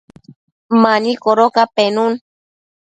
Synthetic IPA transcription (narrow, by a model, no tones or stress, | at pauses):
manikoɾokapenun